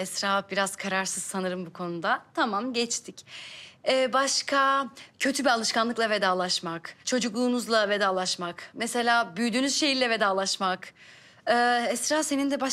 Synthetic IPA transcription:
ɛsɾaːbiɾaz̥kʰaɾaɾsɯz̥sanɯɾɯmbukʰo̞nud̪at̪ʰamamɟɛt͡ʃt̪ʰic | ɛːbaʃkʰacʰø̞t̪ʰybialˠɯʃkanlˠɯklˠave̞d̪aːlˠaʃmakt͡ʃʰo̞d͡ʒuklˠuːnuzlˠave̞d̪aːlˠaʃmakmɛse̞lʲaːbyjd̪yːnyz̥ʃe̞jilːʲɛve̞d̪aːlˠaʃmakː | ɛsɾaːse̞nind̪ɛba

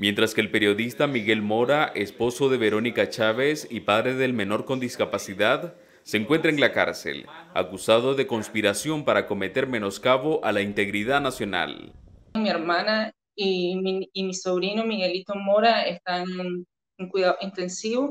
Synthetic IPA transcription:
mje̞nt̪ɾaske̞ːlpe̞ɾjo̞ðist̪amiɣe̞lmo̞ɾaʔe̞spo̞so̞ðe̞βe̞ɾo̞nikat͡ʃaβe̞sipaðɾe̞ðe̞lme̞no̞ɾko̞nd̪iskapasiðað | se̞ːŋkwe̞nt̪ɾaeŋlaka̰ɾsḛla̰kusaðo̞ðe̞ko̞nspiɾasjo̞mpaɾako̞me̞t̪eɾme̞no̞skaβo̞ʔalaint̪e̞ɣɾiðanasjo̞na̰lmieɾmana | iː | misoβɾinomiɣelit̪omoɾaest̪an | eŋkwiðaðoint̪ensiβo

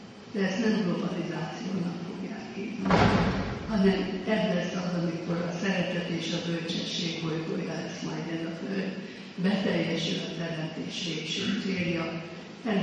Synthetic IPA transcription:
d̪̥ɛɛst̪nɛmɡlo̞bɒlizaːt̪sijoːnɒkfo̞ɡja̰ːkːeːtunihɒnɛmɛblɛsːɒzɒmiko̞ɾɒsɛɾɛt̪ɛt̪eːʃɒbø̞lt͡ʃɛʃːeːɡɦojɡo̞̰jɒɛsmaːjd̪ɛzɒfø | bɛt̪ɛjːɛʃylɒt̪ɛɾɛmt̪eːʃveːkʃeːt̪seːljɒ | ɛ

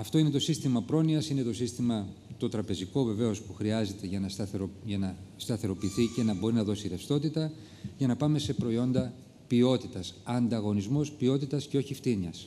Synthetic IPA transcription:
ɐft̪o̞ine̞t̪o̞sist̪imɐpɾo̞niɐsine̞t̪o̞sist̪imɐt̪ot̪ɾɐpe̞ziko̞ve̞ve̞o̞spuxɾiɐze̞t̪e̞ʝɐnɐʝɐnɐst̪ɐθe̞ɾo̞piːθice̞nɐbo̞ɾinɐðo̞siɾefst̪o̞t̪it̪ɐ | ʝɐnɐpɐme̞se̞pɾo̞io̞nd̪ɐ | pio̞t̪it̪ɐsɐnd̪ɐɣo̞nizmo̞spio̞t̪it̪ɐsce̞o̞çift̪iɲɐs

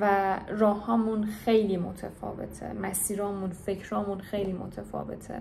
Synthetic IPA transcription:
værɒːhɒːmunxe̞jliːmot̪ʰefɒ̰ːve̞̰t̪ʰḛmæsiːɾɒːmunfe̞cʰɾɒːmuːnxejliːmo̰t̪ʰefɒ̰ːve̞̰t̪ʰḛ

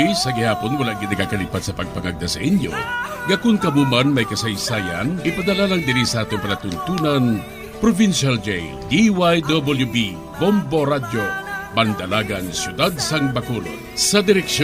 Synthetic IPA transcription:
sɐɡɪhaːponwɐlaʔɡɪd̪nɐkakɐliːpat̪̚sɐpɐɡ̚pɐŋaɡ̚d̪ɐsɐʔinjo̰ɡɐkʊnkɐmumanmɐjkɐsɐjsaːja̰nʔɪpɐd̪ɐlalaŋd̪ɪɾisɐʔaːt̪oŋpɐnɐt̪ʊnt̪uːnɐn | pɾovinʃald͡ʒej | d̪iwajd̪obɐljubi | bomboɾad̪obɐnd̪ɐlaːɡɐŋsjʊd̪ad̪̚sɐŋbɐkulo̰ | sɐd̪ɪɾɛkʃ

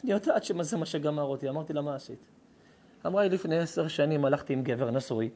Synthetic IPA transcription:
niot̪aad̪ʃemazemaʃeɡamaʁot̪iamaʁt̪ilamaːsit̪ | amʁajlifne̞jeseʁʃanimalaχt̪iːmɡe̞veʁnasuj

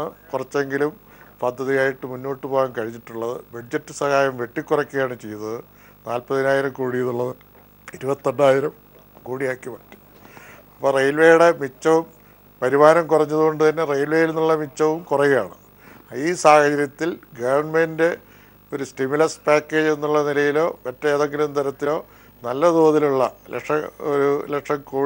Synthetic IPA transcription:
ɨkurɐt͡ɕːe̞ŋɡilum | pɐd̪ʱːɐðijaːjiʈːɨmunːoːʈːɨpoːjankɐɻiɲːiʈːuɭːɐðɨbɐɖd͡ʑɐtːɨsɐhaːjɐmʋe̞ʈːikʲːurɐkːijaːɳɨt͡ɕe̞jɐnːɐðɨ | naːlpɐðinaːjiɾɐmkuːɽijɐðuɭːɐðɨ | iɾubɐt̪ːɐɳɖaːjiɾɐm | kuːɽijaːkːiʋɐʈːi̥ | ɐpːoːrejlʋe̞juɽemit͡ɕːɐʋum | pɐɾimaːnɐmkurɐɲːɐðuko̞ɳɖɨt̪ɐnːe̞rejlʋe̞jilenːuɭːɐmit͡ɕːɐʋumkurɐjijaːɳɨ | iːsaːhɐd͡ʑɐɾjɐt̪ːilɡɐʋɐɳmende̞ | o̞ɾustimjulɐspaːkːeːd͡ʑe̞nːuɭːɐnilɐjilo̞ːʋetːɐeːðoŋɡilumt̪ɐɾɐt̪ːilo̞ː | nɐlːɐd̪uːɐðiluɭːɐlekʂɐoɾulekʂɐmkuː

